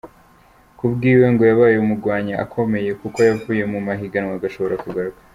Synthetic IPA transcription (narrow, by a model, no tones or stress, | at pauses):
kubɡiːwe̞ŋɡo̞jaβaːjeumuɾɡwaːɲaʔa̰kʰo̞me̞je̞kuko̞javuːje̞mumaɦiɡanŋwaɡaʃo̞βo̞ɾakuɡaɾɡwa